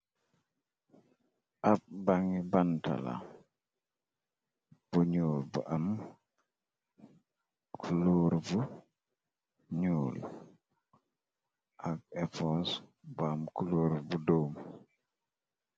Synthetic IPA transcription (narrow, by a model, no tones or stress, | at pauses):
ʔaf̚baŋibanta̰la̰ | b̥uɲuːlbṵʔam | kʰuluːɾbu | ɲuːl | ʔaɡ̚ɛfosbuamkuluːɾbudoːm